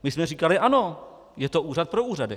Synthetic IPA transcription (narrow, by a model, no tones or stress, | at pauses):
mɪsmɛr̝iːkalɪʔano̞ | jɛt̪o̞ʔuːrat̪̚pɾo̞uːradɪ̰